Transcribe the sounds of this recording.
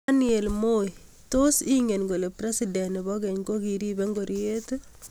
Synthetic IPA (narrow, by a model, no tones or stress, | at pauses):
anielmoj | tosiŋenɡolepɾesidɛnebɔkɛɲɡokiɾibeŋɡoɾjet